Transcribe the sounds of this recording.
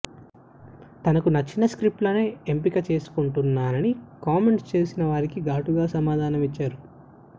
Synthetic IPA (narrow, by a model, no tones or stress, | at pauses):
t̪ɐnɐkunɐt͡ʃːinɐskɾip̚ʈlɐne̞ːempikɐt͡ʃe̞ːsu̥kuɳʈunːaːnɐnikaːme̞ɳʈst͡ʃe̞ːsinɐʋaːɾikiɡaːʈuɡaːsɐmaːd̪ʱaːnɐmit͡ʃːaːɾu